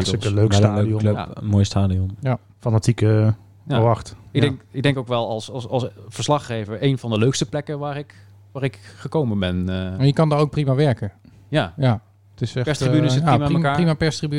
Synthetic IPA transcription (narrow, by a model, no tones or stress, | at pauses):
tɪkəløkstaːdiɔənmoːjəstaːdiɔnja | fanatikə | əʋɑχtɡdɛŋɪɡ̚dɛŋkowkʋɛlˠɑlˠsɑɑlˠsv̥əɹslɑχːejvəɹejnvɑndəløɥkstəplɛkəʋaːɹɪk | ʋaːɾɪkχəkowmənbɛnajəkɑndɔnowk̚primaʋɛɹkə | jaja | tɪsɛpɛstibynəjamaimaːprimapɛɹstriby